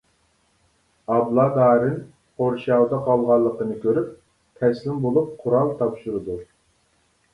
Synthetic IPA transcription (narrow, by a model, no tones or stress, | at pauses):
ɑblˠɑd̪ɑːɾɨn | qʰoɾʃɑwd̪ɑqʰɑlˠʁɑlˠːəqənɨkʲøɾyp̚ | t̪ʰɛslɪmbolˠup̚qʰʊɾɑlˠt̪ʰɑpʃuɾɨd̪u